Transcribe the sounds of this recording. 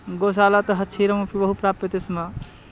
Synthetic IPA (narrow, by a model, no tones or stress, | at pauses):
ɡosalat̪əɦət͡ʃʰiɾəmopʰibəɦupɾapet̪esma